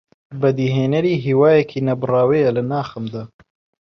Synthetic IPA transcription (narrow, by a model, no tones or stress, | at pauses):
bɐd̪iɦeːnɐɾiːɦiːwaːjɛkʰiːnɐbɨraːwejɐlɨnaːxɨmd̪aː